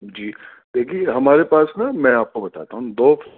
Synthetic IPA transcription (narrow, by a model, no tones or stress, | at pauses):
d͡ʒiː | d̪eːkʰieɦɐmaːɾepaːsnamɛ̃aːp̚kobɐt̪a̰ːt̪aɦũd̪ɔːf